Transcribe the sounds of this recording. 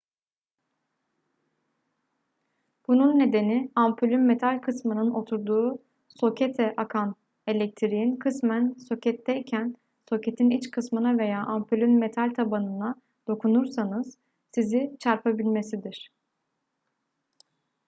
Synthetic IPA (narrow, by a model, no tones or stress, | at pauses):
b̥ununːe̞d̪e̞niampʰylʲynme̞t̪ʰalʲkʰɯsmɯnɯno̞t̪ʰuɾd̪uː | so̞cʰet̪ʰɛʔakʰan | e̞lʲɛc̚t̪ʰiɾijinkʰɯsmænso̞cɛt̪ʰːɛicʰæn | so̞cet̪ʰinit͡ʃkʰɯsmɯnave̞jaːʔampʰylʲynme̞t̪ʰalʲt̪ʰabanɯna | d̪̥o̞kʰunuɾsanɯz̥ | sizit͡ʃʰaɾpʰabilʲme̞sid̪iɾ̥